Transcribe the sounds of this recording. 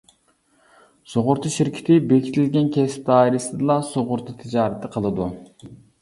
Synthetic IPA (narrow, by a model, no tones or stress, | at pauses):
soʁʊɾt̪ʰuʃiɾkʲʰi̥t̪ʰɪbekʲʰi̥t̪ʰɪlɡʲɛnkʲʰɛsp̚d̪ɑːiɾɪsɪd̪ɨlˠɑsoʁʊɾt̪ʰɨt̪ʰɪd͡ʒɑːɾɨt̪ʰːɨqʰəlˠɨd̪u